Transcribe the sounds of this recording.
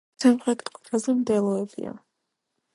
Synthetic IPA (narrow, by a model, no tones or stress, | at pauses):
samχɾɛt̪ʰʼkʼɔ̥t̪ʰazɛmd̪ɛlˠɔɛbḭa̰